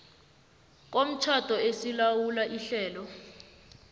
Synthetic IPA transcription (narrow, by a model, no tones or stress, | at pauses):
k̬om̩t͡ʃʰatɔesilawulaʔiɬɛːlɔ